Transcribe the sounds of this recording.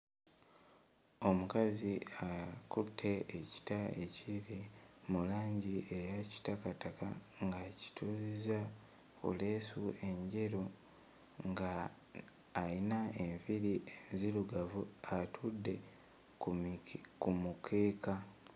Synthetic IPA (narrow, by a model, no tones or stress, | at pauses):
o̞mukaziakutʰːe̞ːci̥taeciɾimulaːɲɟiʔejaci̥takataka̰ | ŋɡaci̥tʰuːziza | kṵle̞ːsue̞ɲɟe̞ɾo | ŋɡaː | linaeɱviɾienziluɡavuatʰudːe̞ | kumukʰe̞ːka